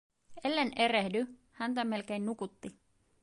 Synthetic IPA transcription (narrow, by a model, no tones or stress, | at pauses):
e̞lːe̞nʔe̞ɾehdy | hænt̪æmːe̞lk̟e̞jnːukut̪ːi